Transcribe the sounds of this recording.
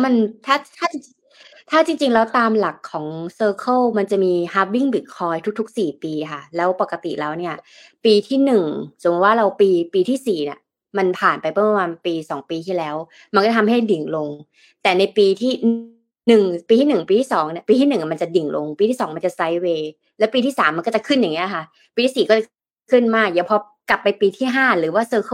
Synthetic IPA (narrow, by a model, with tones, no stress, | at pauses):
ma˧nt̪ʰaː˥˩t̪ʰaː˥˩i˧ŋ | t̪ʰaː˥˩t͡ɕi˧ŋt͡ɕi˧ŋlɛː˦˥wt̪aː˧mla˨˩kʰːɔː˩˦ŋsɤː˧kʰə˥˩wma˧nt͡ɕa˨˩ʔmiː˧ha˦˥p̚wi˥˩ŋbi˨˩kʰːɔː˦˥jt̪ʰu˦˥t̪ʰu˦˥k̚siː˨˩piː˧kʰa˥˩lɛː˦˥wpa˨˩kːa˧t̪ḭ˨˩ʔlɛː˦˥wni˥˩ɐ | piː˧t̪ʰiː˥˩nɯ˨˩ŋso˨˩˦m̚˦˩waː˥˩ɾa˧wpiː˧piː˧t̪ʰiː˥˩siː˨˩nḭ˦˥˩ | ma˧npʰaː˨˩npa˧jpʰɯ˥˩pa˧maː˧npiː˧sɔː˩˦ŋpiː˧iː˥˩lɛː˦˥w | ma˧n˧kɔ˥˩t̪ʰmɦa˥˩jdi˨˩ŋlo˧ŋ | t̪ɛː˨˩na˧jpiː˧t̪ʰiː˥˩ | nɯ˨˩ŋpiː˧t̪ʰiː˥˩nɯ˨˩ŋpiː˧iː˥˩ɔː˩˦ŋni˥˩piː˧t̪ʰiː˥˩nɯ˨˩ŋa˨˩ma˧nt͡ɕa˨˩di˨˩ŋlʔo̰˧ŋpiː˧t̪ʰiː˥˩sɔː˩˦ŋma˧nt͡ɕa˨˩sa˦˥jweː˧ | lɛː˦˥pi˧t̪ʰiː˥˩saː˩˦mːa˧nkɔː˥˩t͡ɕa˨˩kʰɯ˥˩nja˨˩ŋːi˦˥a˨˩kʰa˦˥˩ | piː˧t̪ʰiː˥˩siː˨˩kɔː˥˩t͡ɕa˨˩ | kʰɯ˥˩nmaː˥˩k̚ja˨˦pʰɔ˧ | ka˨˩pːa˧jpiː˧t̪ʰiː˥˩ɦaː˥˩ɾɯː˩˦waː˥˩sɤː˧kʰː